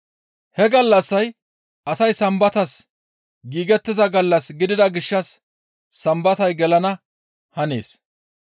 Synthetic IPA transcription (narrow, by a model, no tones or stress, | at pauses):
hɛɡɐlːɐsːɐj | ʔɐsɐjsɐmbɐt̪ɐs | ɡiːɡɛt̪ːɪzɐɡɐlːɐsɡɪd̪ɪd̪ɐɡɪʃːɐsː | ɐmbɐt̪ɐjɡɛlɐnɐ | hɐnḛːs